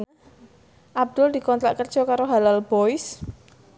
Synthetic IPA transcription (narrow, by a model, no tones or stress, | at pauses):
ʔab̚d̪̥ʊld̥̪i̤kɔnt̪ɾaʔkərd̥ʒ̥ɔ̤kaɾoɦalalb̥oɪs